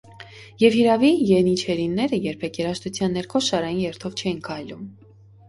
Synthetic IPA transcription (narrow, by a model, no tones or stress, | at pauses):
jɛvhiɾɑvijɛnit͡ʃʰɛɾinːɛɾəjɛɾpʰɛkʰjɛɾɑʃt̪ut͡sʰjɑnːɛɾkʰɔʃɑɾɑjinjɛɾt̪ʰɔvt͡ʃʰɛjinkʰɑjlum